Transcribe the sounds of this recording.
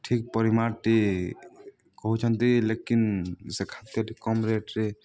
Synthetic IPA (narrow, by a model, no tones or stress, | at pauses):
ʈʰik̚pɔɾimaɾʈi | kɔɦut͡ʃʰɔnt̪ilekinsekʰat̪jəɖikɔmɾeʈɾe